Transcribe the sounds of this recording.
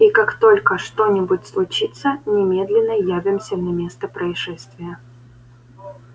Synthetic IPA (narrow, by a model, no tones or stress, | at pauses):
ikakt̪o̞lʲkəʂt̪o̞nʲɪbʊtʲslˠʊt͡ɕit̪sənʲɪmʲe̞d̪lʲɪnːəjævʲɪmsʲənɐmʲe̞st̪əpɾəɪʂɛst̪vʲɪjə